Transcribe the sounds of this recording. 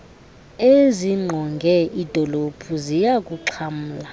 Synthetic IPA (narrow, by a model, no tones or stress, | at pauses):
eziŋ͡ǃʱɔŋɡʱɛʔid̥ʱɔlopʰuzijak̬ʼuǁʰam̩ːla